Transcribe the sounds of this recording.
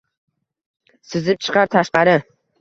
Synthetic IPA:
sɪzɪp̚t͡ʃʰɨ̥qɑɾt̪ʰaʃqɑɾɪ

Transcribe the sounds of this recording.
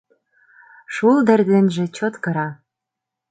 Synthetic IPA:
ʃuld̪ɘ̆rd̪ɘ̆nʒĕt͡ɕot̪kɤ̆ɾɑ

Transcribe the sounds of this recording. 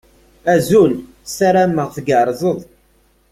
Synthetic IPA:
æzul | saɾæməʁθɡəɾˤzˤəðˤ

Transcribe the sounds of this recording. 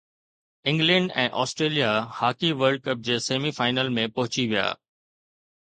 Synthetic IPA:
ɪ̃ŋɡlə̃ɳɖɛ̰̃ːʔɔːsʈɾeːlijahaːkiʋəɾɖ̚kɐp̚d͡ʑeːseːmifaːɪnəlmẽpɐɦʊt͡ɕiʋija̰ː

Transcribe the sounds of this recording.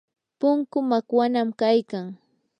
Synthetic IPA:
pʊŋkʊmakwanamkajkaŋ

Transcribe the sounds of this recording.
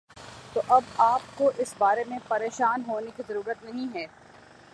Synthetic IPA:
t̪oʔɐbaːp̚koʔɪsbaːɾemẽpɐɾeːʃaːnɦoːnekizɐɾuːɾət̪nɐɦĩɦɛː

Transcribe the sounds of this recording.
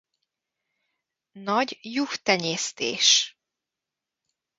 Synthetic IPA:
nɒɟjukt̪ɛɲeːst̪ḛːʃ

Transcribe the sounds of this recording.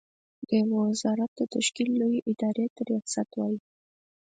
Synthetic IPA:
d̪əwɪwɪzɑɾat̪̚d̪ət̪aʃkilːojiʔɪd̪ɑɾet̪əɾjɑksat̪wɑji

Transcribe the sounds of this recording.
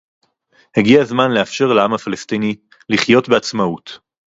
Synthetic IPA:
heɡiazmanleafʃe̞ʁleamafalestini | liχjo̞tbeat͡smaut

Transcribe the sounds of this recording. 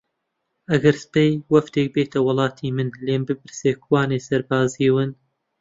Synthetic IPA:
ʔɐɡɐɾspejwɐft̪ek̚beːt̪ʰɐwɨlˠɑːt̪ʰiːmɨnleːmbɨbɨɾseːkwaːnesɐɾbaːziwɨn

